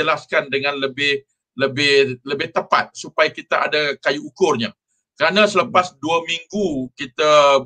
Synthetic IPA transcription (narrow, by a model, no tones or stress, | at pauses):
əlaskandəŋãnləbɪh | ləbɪhləbɪht̪əpa̰t̪̚supajakit̪aʔadakajuːkʊrɲa | kəɾanãsələpasduamiŋɡukit̪a